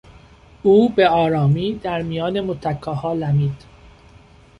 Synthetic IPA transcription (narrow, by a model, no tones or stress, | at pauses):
uːbeɒːɾɒːmiːd̪æɾmijɒːne̞mot̪ʰækʰːɒːhɒːlæmiːd̪̥